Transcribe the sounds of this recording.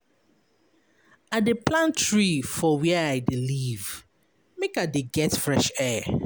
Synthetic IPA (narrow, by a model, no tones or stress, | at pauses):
adepʰlãntʰɹifɔwɛaɪdeliv | mekadeɡɛtfɹɛʃɛ